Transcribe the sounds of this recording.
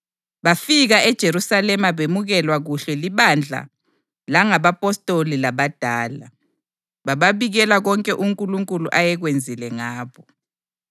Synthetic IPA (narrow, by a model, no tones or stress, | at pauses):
βafiɣaɛd̥ʒ̥ʱeɾusalɛmaβemuɣɛlwaɣuɬɛliβand͡ɮʱa̰ | laŋaβapʼɔstʼolilaβad̥ʱaːla̰ | βaβaβiɣɛlaɣɔŋkʼɛʔuŋkʼuluŋkʼuluʔajɛɣwend͡zʱilɛŋaːβɔ